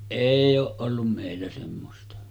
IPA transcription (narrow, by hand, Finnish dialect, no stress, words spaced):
eˑij oːʔ ʔolːum meˑilːæ semːostɑ